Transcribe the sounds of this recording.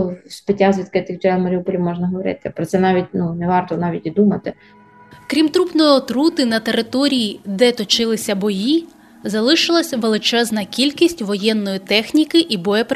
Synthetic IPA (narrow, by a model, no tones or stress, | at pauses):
spɪtʲːazʲʋʲid̪̚kɪt̪ɪkt͡ʃɛmɐɾʲiupɔlʲimɔʒnɐɦɔʋɔɾɪ̰t̪ɪpɾɔt̪sɛnɑʋʲit̚ʲnunɛʋɑrt̪ɔnɑʋʲitʲid̪umɐt̪ɪ | kɾʲimt̪ɾupnɔjiɔt̪ɾut̪ɪnɐt̪eɾɪt̪ɔɾʲijid̪ɛt̪ɔt͡ʃɪlˠɪsʲɐbɔji | zɐlˠɪʃɪlˠɐsʲʋelˠɪt͡ʃɛznɐkʲilʲkʲisʲtʲʋɔjɛnːɔjit̪ɛxnʲikɪʔibɔjɛp